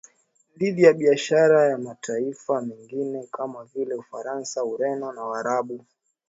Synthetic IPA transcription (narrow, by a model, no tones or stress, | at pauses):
diðijaɓiaʃaɾajamatʰaifamɛŋɡinɛkamavilɛufaɾansauɾɛnɔnawaɾaɓu